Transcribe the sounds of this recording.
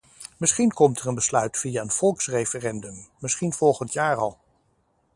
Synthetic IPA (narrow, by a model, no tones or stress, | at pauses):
mɪsχinkɔmtɛɹənbəslœɥtfiaənv̥ɔlˠksrejfərɛndɵmmɪsχinv̥ɔlˠχəntjaːɹɑlˠ